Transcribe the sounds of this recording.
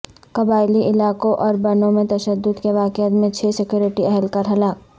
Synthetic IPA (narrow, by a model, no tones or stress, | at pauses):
kɐbaːɪliʔɪlaːkõʔɔːɾbɐnõmẽt̪ɐʃəd̪ːʊd̪keʋaːkjət̪mẽt͡ʃʰeːsɪkjoːɾɪʈiɛɦəlkɐɾɦɐlaːk̚